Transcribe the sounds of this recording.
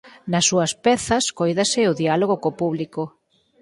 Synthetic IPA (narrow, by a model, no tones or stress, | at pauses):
nɐsːuɐspɛθɐskojðɐsɪʊðialoɣokopuβliko